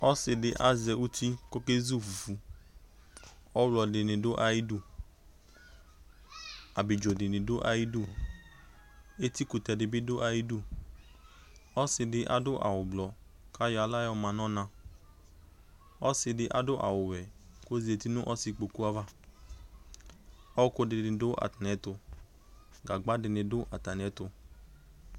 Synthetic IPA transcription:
ɔ˦sɪ˧dɪ˧ʔa˦zɛ˧˨u˦ti˦ko˦ke˦zu˦˨fu˨fu˨˦ | ɔ˦wlɔ˨de˨nẽ˨do˦ʔa˨ji˦du˦˨ | a˨bi˨d͡ʒo˨dɪ˨nẽ˨do˦ʔa˨ji˦du˦˨ | e˦ti˦ku˨tɛ˧dɪ˨bi˦dʊ˦ʔa˧ji˦du˦˨ | ɔ˦sɪ˧dɪ˧˦ʔa̰˨dʊ˦ʔa̰˨wʊ˨blɔ˨ | ka˦jɔ˨˦a˨la˦jɔ˧mã˨nɔ̃˦nã˧ | ɔ˦sɪ˧dɪ˧ʔa̰˨dʊ˦ʔa̰˨wʊ˨wɛ˨ko˦zi˨˦e˨ti˦nʊ̃˦ʔɔ˦sɪ˧k͡po˨ku˦a˦va˦ | ɔ˦wkʊ˧dɪ˧dɪ̃˨dʊ˦ʔa̰˨ta˨n˨ɛ˨˦tʊ˧ | ɡa˨ɡ͡ba˦dɪ˨nɪ̃˨dʊ˦ʔa˨ta˨n˨ɛ˨˦tʊ˧

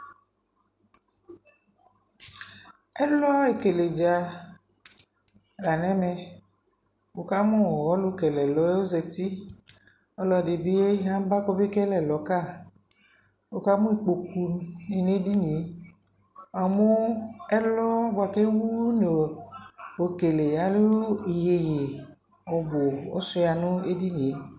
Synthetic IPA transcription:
ɛ˦lɔ˦a˦e˨ke˨le˨d͡ʒa˨ | la˨nɛ̃˦mɛ˨ | bo˨ka˦mɔ̃˦˨wɔ˦lu˦kɛ˨lɛ˨lɔ˦e˦wo˦zɛ˨t̪i˦ | ɔ˦lɔ˨de˨bi˦e˦ɦã˦m˦ba˦kɔ˦be˦kɛ˦lɛ˨lɔ˨˦ka˦˨ | o˨ka˦mũ˦i˨k͡po˨ku˨ni˨n˦e˦di˦ni˨e˨˦ | a˨mo˦ɛ˦lɔ˦bo˨a˨ke˦wu˦ne˨o˨ke˨le˨a˨˦lu˦i˨je˨je˨ | ɔ˨bo˨ɔ˦su˦ja˨nũ˦e˦di˦nĩ˨e˨˦

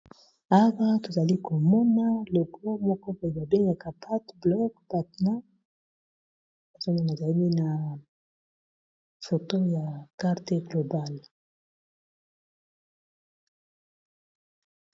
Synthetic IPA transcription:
a˦wa˦to˨za˨li˦ko˨mɔ˦na˦lo˨ko˦mɔ˦kɔ˦ba˨i˨ba˨be˦ŋɡa˨ka˨pʰa˦tblɔ˦kpa˨tna˦ | a˨zo˦na˦na˨za˨li˦mi˦na˨ | fo˨to˦ja˨ka˦ʁte˦ɡlo˨ba˦˨l

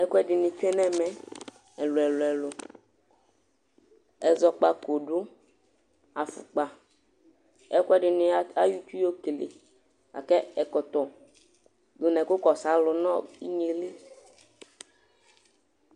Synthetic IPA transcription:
ɛ˦ku˦ɛ˦ɖɪ˨nɪ̃˨t͡ʃɛ˦nɛ̃˦mɛ̃˨ | ɛ˨lʊ˨ɛ˨lʊ˨ɛ˨lʊ˨ | ɛ˨zɔ˨k͡pa˨ko˨dʊ˦ | a˨fṵ˨k͡pa˨ | ɛ˦ku˦ɛ˦ɖɪ˨nɪ˨˦a˦ju˦t͡ʃu˦o˦ke˨le˨ | a̰˨kɛ˦ɛ˨kɔ˨t̪ɔ˨ | d̪ʊ˨nɛ̃˨kʊ˦kɔ˨sa˨˦lʊ˨nɔ̃˦i˦ɲe˨li˦

